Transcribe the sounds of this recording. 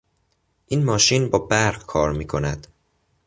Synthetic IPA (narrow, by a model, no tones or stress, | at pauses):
ʔiːnmɒːʃiːnbɒːbæɾɢkʰɒːɾmiːkʰo̞næd̪̥